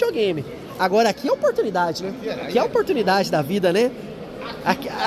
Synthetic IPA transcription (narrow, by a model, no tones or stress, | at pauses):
oɡẽj̃mɪ | aɡɔɾɐakiɛopoɾt̪unid̪ad͡ʒɪnɛaiɛopoɾt̪unid̪ad͡ʒɪd̪ɐvid̪ɐnɛ | ak